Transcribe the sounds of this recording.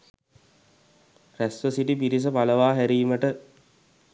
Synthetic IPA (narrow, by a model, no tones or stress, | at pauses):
ræsʋəsiʈipiɾis̬əpaləʋaːɦæɾiːməʈə